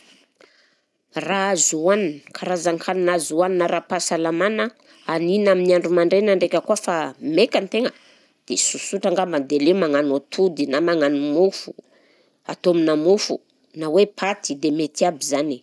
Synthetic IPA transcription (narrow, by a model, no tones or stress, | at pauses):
raazuaninkʰaɾazaŋkʰaninazuaninəɾapasalamanə | aninaminiaɳɖ͡ʐumaɳɖ͡ʐenaɳɖ͡ʐekʲəkuəfamekant̪eŋə | d̪̥esusuʈ͡ʂaŋɡamad̪elemaŋanot̪ʰud̪inamaŋanumufu̥̰ | a̰t̪ominamufṵ | nawepʰat̪id̪emet̪iabizani̥